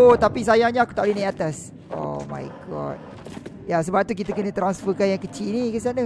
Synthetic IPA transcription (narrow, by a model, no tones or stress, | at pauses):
ot̪apis̬ajaŋɲãaku̥t̪aʔlinãat̪as | ʔo̰mã̰jɡɔ̰t̚ | jasəbap̚t̪uk̬it̪akənə̃t̪ɾansfəkanjaŋkət͡ʃinikəs̬ianə